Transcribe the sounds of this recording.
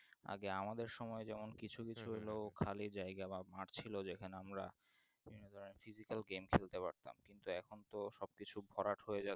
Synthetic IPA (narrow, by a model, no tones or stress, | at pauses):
a̰ɡeamad̪eɾʃɔmɔed͡ʑɛmonkit͡ɕʰukit͡ɕʰuɦelokʰalid͡ʑajɡabamaɾt͡ɕʰilod͡ʑekʰaneamɾa̰ | bibʱinod̪ʱɔɾonefizikalɡemkʰelt̪epaɾt̪a̰mkint̪uɛkʰont̪oʃɔb̚kit͡ɕʰubʱɔɾaʈhoed͡ʑa